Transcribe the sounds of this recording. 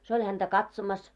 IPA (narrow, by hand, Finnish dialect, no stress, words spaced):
se olʲ hæntæ kɑtsomɑs